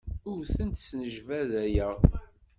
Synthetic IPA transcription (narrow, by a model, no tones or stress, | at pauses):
ʊɾθənt̪snəʒvæðæjæʁ